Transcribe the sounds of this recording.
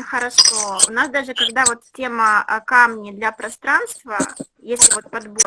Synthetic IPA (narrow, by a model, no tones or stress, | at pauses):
xəɾɐʂoʊ̰nasd̪aʐɨkɐɡd̪avo̞t̪ʲtʲe̞məkamnʲɪd̪lʲɐpɾɐst̪ɾanst̪və | jesʲlʲɪvo̞t̪̚pɐd̪bo